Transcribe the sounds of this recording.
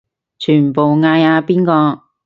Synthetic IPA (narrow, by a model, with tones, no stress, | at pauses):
t͡ʃʰyː˨˩npo˨wŋaː˧jaː˧piː˥nkɔː˧